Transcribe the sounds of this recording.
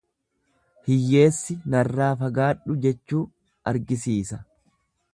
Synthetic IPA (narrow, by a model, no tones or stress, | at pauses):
hɪjːe̞ːsːɪnɐrːaːfɐɡaːᶑʊd͡ʒɛt͡ʃːuː | ɐɾɡɪsiːsɐ